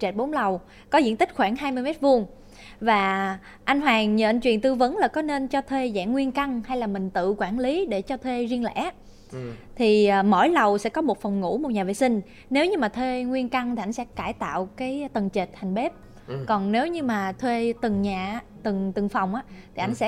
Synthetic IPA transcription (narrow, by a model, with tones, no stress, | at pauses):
t͡ɕe˨˩t̚ɓo˨˦nlə˨˩w | kɔ˨˦zḭ˧˥ənt̪ï˦˥k̟̚xwaː˧˩ŋɦaː˧jmɨ˧əjmɛ˦˥t̚vu˧ən | vaː˨˩ | ʔa˧jŋ̟ɦwaː˨˩ŋɲə̰ː˧˨ʔt͡ɕwḭ˧˨ənt̪ɨ˧və˨˦nlaː˨˩kɔ˨˦ne˧nt͡ɕɔ˧t̪ʰwe˧za̰ː˧˩ŋŋwi˧ənka˧ŋha˧jlaː˨˩mï˨˩ŋ̟t̪ɨ̰˧˨kwaː˧˩nli˨˦ɗe˧˩t͡ɕɔ˧t̪ʰwe˧zi˧əŋlɛ̰˧˥ | t̪ʰi˨˩˨mo̰˧˥˩jlə˨˩wsɛ̰˧˥kɔ˨˦mo˨˩t̚fɔ˨˩wŋ͡mŋṵ˧˥mo˨˩t̚ɲaː˨˩vḛ˧˨sï˧ŋ̟ | ne˨˦wɲɨ˧maː˨˩t̪ʰwe˧ŋwi˧ənka˧ŋt̪ʰi˨˩ʔa˧jŋsɛ̰˧˥kaː˧˩jt̪a̰ː˧˨wkaː˨˦jt̪ə˨˩nt͡ɕe˨˩t̚t̪ʰa˨˩jŋ̟ɓe˦˥p̚ | kɔ˨˩nne˨˦wɲɨ˧maː˨˩t̪ʰwe˧t̪ɨ˨˩ŋɲaː˨˩t̪ɨ˨˩ŋt̪ɨ˨˩ŋfa˨˩wŋ͡mʔaː˨˧˦t̪ʰi˨˩ʔa˧jŋ̟sɛ̰˧˥